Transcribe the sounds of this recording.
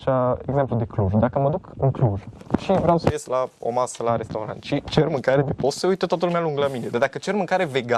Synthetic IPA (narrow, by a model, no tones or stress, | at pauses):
ʃaeɡzemplud̪e̞kluʒd̪akəməd̪ukɨŋkluʒʃivɾeawsəjeslao̞̰masəlaɾest̪awɾa̰nt̪ʃit͡ʃermɨŋkaɾed̪epossəujt̪ət̪oat̪əlumealuŋɡlamined̪ad̪akət͡ʃe̞rmɨŋkaɾe̞ve̞ɡa